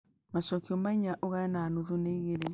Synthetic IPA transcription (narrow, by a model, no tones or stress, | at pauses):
maʃɔkiɔmaiɲaʔoɣaɛnaːnoðuneiɣeɾe